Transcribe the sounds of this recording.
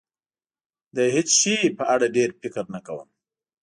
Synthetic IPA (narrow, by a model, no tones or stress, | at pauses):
d̪əɦet͡sʃipəʔaɽaɖeɾfɪkəɾnakawə̰m